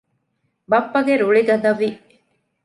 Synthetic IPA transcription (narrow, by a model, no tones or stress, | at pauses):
bɐpːɐɡeɾuɭiɡɐd̪ɐʋi